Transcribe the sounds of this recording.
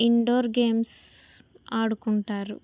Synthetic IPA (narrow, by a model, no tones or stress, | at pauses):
iɳɖoːɾɡeːms | aːɽukuɳʈaːɾṵ